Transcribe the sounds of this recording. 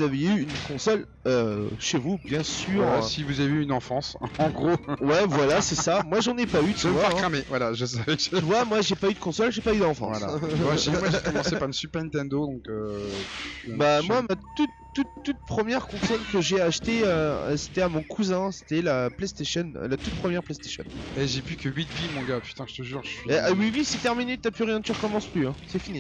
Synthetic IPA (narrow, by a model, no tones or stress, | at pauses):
uzaveyynkɔ̃sɔl | øʃevubjɛ̃syːʁsivuzaveyynɑ̃fɑ̃sɑ̃ɡʁowɛvwalasɛsamwaʒɑ̃nɛpayt̪mvwafɛʁkχamevwalaʒəs̬avɛvwamwaʒepayd̪əkɔ̃sɔlʒepayd̪ɑ̃fɑ̰̃vwa̰la̰aʒemwaʒekɔmɑ̃ssepaʁsypɛʁnt̪ɛ̃nd̪od̪ɔ̃kø | bamwamatt̪ut̪ːut̪ːut̪̚pχəmjɛʁkɔ̃sɔlkəʒeaʃt̪eø̰se̥t̪ɛamɔ̃kʰuzɛ̃se̥t̪ɛlaplest̪eʃɔn̰lat̪ut̪̚pχəmjɛʁplest̪e̥ʃɔ̰nɛʒepykəɥit̪vimɔ̃ɡapy̥t̪ɛ̃ʒə̥t̪əʒyːʁʒəieʔawivisɛt̪ɛʁminet̪apyʁjɛ̃t̪yʁəkɔmɑ̃splyɛ̃sɛfini